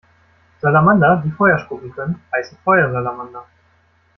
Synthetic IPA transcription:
z̥alamand̪ad̪ifɔjaʃkubitənaɪsfɔjɐzalamand̪a

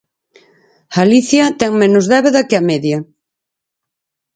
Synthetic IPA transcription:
aliθjɐt̪ɛŋmenʊzðɛβeðɐkɪɐmɛðjɐ

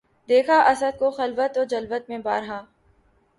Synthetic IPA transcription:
d̪eːkʰaʔɐsəd̪̚koxɐlʋət̪ɔd͡ʒɐlʋət̪mẽba̰ːɾɦaː

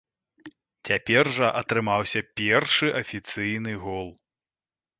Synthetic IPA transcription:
t͡sʲapʲɛrʐɐʔɐt̪ɾɨmawsʲɐpʲɛrʂɨʔɐfʲit̪sɨjnɨɣɔlˠ

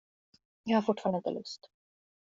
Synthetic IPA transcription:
jɑhaɾfʊʈːfɑːɾɳɖəɪnt̪ə̰lɵ̰st̪

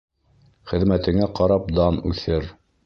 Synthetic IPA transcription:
χɘ̆ðmæt̪ɘ̆ŋæqɑɾɑp̚d̪ɑnʉθɘɾ

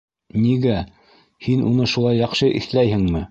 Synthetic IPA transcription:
niɡæ | hinʔunɤʃulˠɑjːɑqʃɤʔḭ̆θlæjhɘŋmɘ

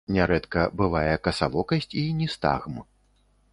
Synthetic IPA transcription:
nʲaɾɛt̪kɐbɨvajɛkɐsalˠɔkɐsʲt͡sʲinʲɛst̪a̰ɣm

